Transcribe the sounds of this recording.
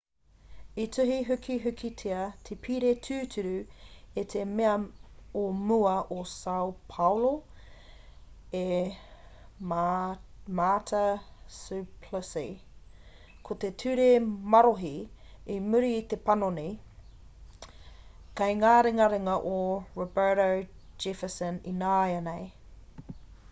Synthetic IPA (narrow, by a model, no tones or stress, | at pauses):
itʰʉɦiɦʉkʰiɦʉkʰitʰeɐt̪ʰepʰiɾetʰʉːtʰʉɾʉet̪ʰemeɐomuɐʔosɐwpʰɐwlo | e | matʰɐsʉpʰləsḭ | kʰot̪et̪ʰʉɾemɐɾoɦiimʉɾiːt̪epɐnonej | kɐjŋaːɾeŋɐɾeŋɐʔoɹobəːɾod͡ʒɪfəsəninaːjɐnej